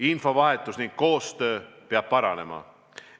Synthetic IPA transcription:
info̞vɑɦe̞t̪ːˑusniŋkko̞ːst̪øːpeɑb̥̚pɑɾɑne̞̰mɑ̰

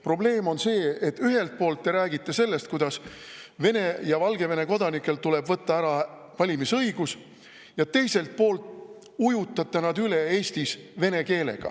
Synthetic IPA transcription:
pro̞ble̞ːmo̞nse̞ːet̪ːˑyɦe̞lt̪̚po̞ːlt̪ːe̞ɾæːɡit̪ːˑe̞se̞lːe̞st̪̚kujd̪ɑsve̞ne̞jɑvɑlɡe̞ve̞ne̞ko̞d̪ɑnikːˑe̞lt̪ule̞bvɤt̪ːɑæɾɑ | vɑlʲimisɤjɡ̥us | jɑt̪e̞jse̞lt̪̚po̞ːlt̪ːˑ | ujut̪ːˑɑt̪ːˑenɑd̪yle̞e̞ːsʲt̪isve̞ne̞ke̞ːle̞̰ɡ̥ɑ̰

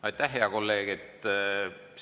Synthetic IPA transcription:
ɑjt̪ːˑæhɦeɑko̞lːe̞ːɡ̥et̪ | s

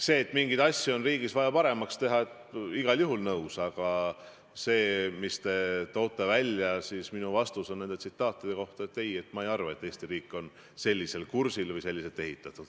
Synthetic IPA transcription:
se̞ːt̪ːˑmiŋɡid̪̥ɑsʲːjio̞nriːɡisvɑjɑpɑɾe̞mɑkst̪e̞ɦɑet̪iɡ̥ɑljuɦulnɤwsɑɡ̥ɑ | se̞ːmist̪e̞t̪o̞ːt̪ːˑɑvælʲjɑsiːsminuvɑst̪uso̞nne̞nd̪e̞t̪sit̪ːˑɑːt̪ːˑid̪̥e̞ko̞ht̪ɑet̪ːe̞je̞t̪mɑejɑrvɑet̪ːe̞ːst̪iɾiːkːˑo̞n | se̞lʲːise̞lkursilvɤjse̞lʲːiset̪ːe̞ɦit̪ˑːɑt̪ːˑud̪̥

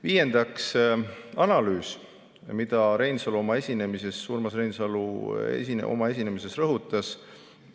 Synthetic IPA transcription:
viːje̞nd̪̥ɑks | ɑnɑlyːs | mid̪̥ɑɾe̞jnsɑluo̞mɑe̞sʲine̞mise̞sːuːrmɑsre̞jnsɑluḛsiʔo̞̰mɑe̞sʲine̞mise̞srɤɦut̪ːˑɑs

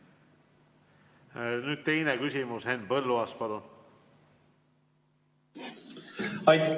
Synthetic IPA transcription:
nyːd̪̥̚t̪e̞jnekysʲimushe̞npɤlːuɑspɑlun | ɑj

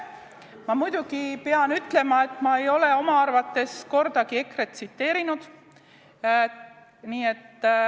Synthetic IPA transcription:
mɑmujd̪̥uɡ̥ipeɑnyt̪ˑle̞mɑe̞t̪ːˑmɑe̞jo̞le̞o̞mɑɑrvɑt̪ːe̞sko̞rd̪̥ɑɡ̥ie̞kre̞t̪sit̪ːe̞ːɾinud̪̥ | niːe̞t̪ː

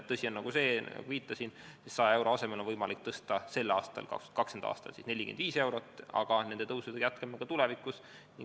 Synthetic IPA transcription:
tt̪ɤsʲionːɑɡ̥use̞ːɑ̰ɡ̥uviːt̪ːˑɑsinsissɑjɑe̞wɾo̞ɑse̞melonvɤjmɑlik̚t̪ɤst̪ɑse̞lːɑːst̪ɑ̰lkɑ̰kst̪u̥t̪kɑkse̞nd̪ɑɑ̰ːst̪ɑ̰lsisne̞lʲikḛnd̪viːse̞wɾo̞t̪ːɑ̰ɡ̥ɑne̞nd̪e̞t̪ɤwsud̪ejæt̪kɑmːɑɡ̥ɑt̪ulɛvikːˑus | niŋ

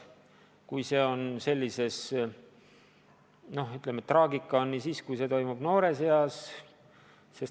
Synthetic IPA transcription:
kujse̞ːo̞nse̞lʲːise̞s | no̞hyt̪lemet̪rɑːɡikˑːɑonːisiːskujse̞t̪o̞jmub̥no̞ːɾe̞se̞ɑs | se̞s

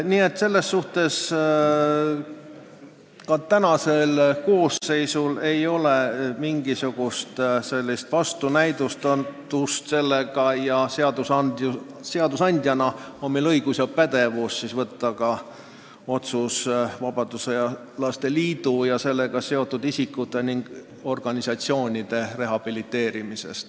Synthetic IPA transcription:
niːe̞t̪ːse̞lːe̞sːuht̪e̞s | kɑt̪ænɑselko̞ːsːe̞jsule̞jo̞lemiŋɡ̥isuɡ̥ust̪se̞lʲːist̪vɑst̪unæjd̪̥ust̪ɑd̪̥ust̪se̞lːeɡ̥ɑjɑseɑd̪̥usɑn | seɑd̪usɑnʲd̪̥ʲjɑnɑonmelɤjɡ̥usjɑpæd̪̥e̞vusːisvɤt̪ːɑɡɑ | o̞t̪susvɑbɑd̪̥usejɑ | lɑst̪e̞liːd̪̥ujɑse̞lːe̞ɡ̥ɑse̞o̞t̪ːud̪̥isikːˑut̪ːˑe̞niŋɡ̥ | o̞rɡ̥ɑnʲisɑt̪sio̞ːnʲid̪̥e̞re̞ɦɑb̥ilit̪ːe̞ːɾimise̞̰st̪

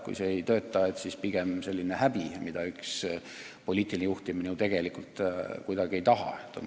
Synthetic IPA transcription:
kṵjseejt̪øːt̪ːˑɑe̞t̪sispiɡ̥e̞mse̞lʲːinehæb̥imid̪̥ɑyks | po̞lʲiːt̪ːˑilinejuht̪iminiut̪e̞ɡ̥e̞likult̪kujd̪ɑɡ̥ie̞jt̪ɑɦɑ̰et̪ːˑo̰n

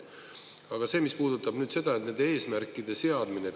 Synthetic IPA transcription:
ɑɡ̥ɑse̞ːmispuːd̪̥ut̪ːˑɑb̥nyːd̪̥se̞d̪̥ɑe̞t̪ned̪̥ee̞ːsmærkːˑid̪̥e̞se̞ɑd̪̥mine

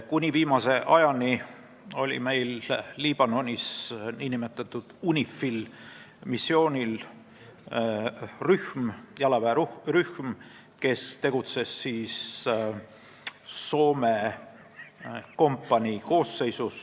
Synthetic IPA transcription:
kunʲiviːmɑse̞ʔɑjɑni | o̞lʲḭme̞jlːiːb̥ɑno̞nʲisniːnimet̪ːˑɑt̪ːˑud̪̥unʲifːil | misːio̞ːnʲil | ryhmjɑlɑvæuryhm | ke̞st̪e̞ɡ̥ut̪se̞sːiːs | o̞ːme̞ | ko̞mpˑːɑnʲiko̞ːsːe̞jsus

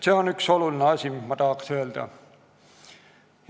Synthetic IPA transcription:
se̞o̞nykso̞lulineɑsʲimimɑt̪ɑɦɑksøːld̪̥ɑ̰

